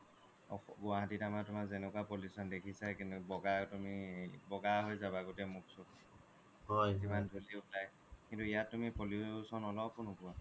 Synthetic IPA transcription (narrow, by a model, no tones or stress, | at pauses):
ɔ̰ɡuaɦatitamatʊmazenɛkwapoljusɔndekʰisakintubɔɡatumibɔɡaɦojzabaɡotɛmuk̚sɔ | ɦɔjzimandʱuliulaj | kintuijatːumipoljusɔnɔlɔpʊnʊkua